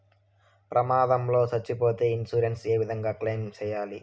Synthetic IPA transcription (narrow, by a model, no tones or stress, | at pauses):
pɾʔɐmaːd̪ɐmlo̞ːt͡ʃɐt͡ʃːipo̞ːt̪e̞ːinsuːɾense̞ːʋid̪ʱɐŋɡaːkleːmt͡ʃɛːjaːli